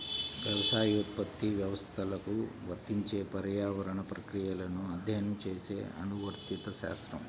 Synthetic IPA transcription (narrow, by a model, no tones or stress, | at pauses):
ʋjɐʋɐsaːjut̪̚pɐt̪ːiʋjɐʋɐst̪ʰɐlɐkuʋɐɾt̪iɲt͡ʃeːpɐɾjaːʋɐɾɐɳɐpɾɐkɾijɐlɐnuɐd̪ʱjɐjɐnɐmt͡ʃeːsḛːɐ̰nuʋɐɾt̪jit̪ɐʃa̰ːst̪ɾɐm